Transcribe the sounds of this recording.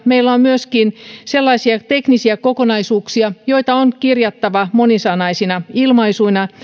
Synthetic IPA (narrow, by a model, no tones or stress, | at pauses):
meilːæommyøskinselːɑisiɑt̪e̞knisiækokonɑisuːksiɑjoit̪ɑonkirjɑt̪ːɑʋɑmonisɑnɑisinɑilmɑisuinɑ